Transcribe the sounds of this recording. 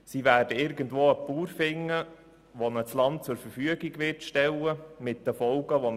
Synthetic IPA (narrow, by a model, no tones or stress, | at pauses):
siʋæːɾdəɪɾɡəntʋoːəpuːɾfɪŋːə | ʋonət͡slɑnt̚t͡sʊɾfəɾfyəɡiɡʋɪrtʃtɛlːəmɪt̚dəfɔlɡəʋon